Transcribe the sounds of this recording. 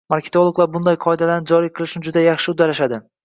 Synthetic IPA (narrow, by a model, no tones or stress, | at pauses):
maɾkʲʰe̞t̪olˠoɡlˠaɾbʊnd̪ajqʰɒed̪alaɾnɪd͡ʒɒɾijqʰɨlˠɪʃnɪd͡ʒʊd̪ajɑχʃɪʊd̪aɾaʃad̪ɪ